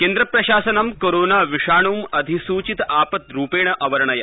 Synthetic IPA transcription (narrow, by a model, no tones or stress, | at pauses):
keːnd̪ɾɐpɾɐɕaːsɐnɐmkoːɾoːnaːʋiʂaːɳ̃uːmɐd̪ʱisuːt͡ɕit̪aːpɐt̪ɾuːpeːɳ̃ɐʔɐʋɐɾɳɐjɐ